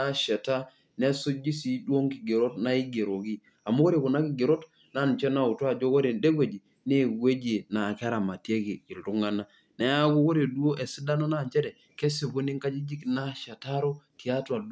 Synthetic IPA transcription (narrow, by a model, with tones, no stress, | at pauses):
a˦ʃɛ˨ta˦ | nɛ˦su˦d͡ʒi˦si˨dwo˦ŋki˨ɡe˨ɾo˦tna˦i˦ɡe˨ɾo˨ki˦ | a˨mo˦ko˦ɾe˨ku˨na˦ki˦˨ɡe˨ɾo˦t | na˦˨n˨t͡ʃɛ˦na˦˨u˨twa˦˨d͡ʒo˦ko˦ɾe˨nde˦ɡwe˨d͡ʒi˨ | ne˦˨ɡwe˦d͡ʒi˨na˨ka˦ɾa˨ma˨tje˦ki˨ki˨ltu˦ŋa˦na˦ | nɛ˨˦a˦ɡo˦ko˦ɾe˨du˦o˦ʔe˨si˦da˦nɔ˦na˨ɲt͡ʃɛ˦ɾɛ˨ | kɛ˦si˨βo˦ni˦ŋka˦d͡ʒi˦d͡ʒi˦kna˦ʃa˨ta˦ɾo˦ti˨a˦twa˨d